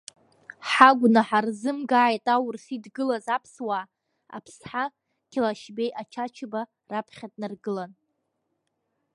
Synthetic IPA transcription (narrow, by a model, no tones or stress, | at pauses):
ħaɡʷnaħarzɨmɡaʕːjtʼawʊrsidɡɨlazapʰswaː | a̰pʰsħa | kʲʰɪlaʃbejʔat͡ʃʰat͡ʃʰɨba | rapʰχʲatʼnarɡɨlan